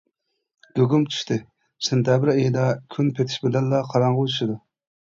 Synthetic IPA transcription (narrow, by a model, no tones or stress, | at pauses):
ɡ̥ʲoɡʲumt͡ʃʰy̥ʃt̪ʰɪ | sent̪ʰjɑbɪɾejid̪ɑkʲʰynpʰet̪ʰiʃbɪlɛnlɑqʰɑɾɑɴʁəuʃid̪u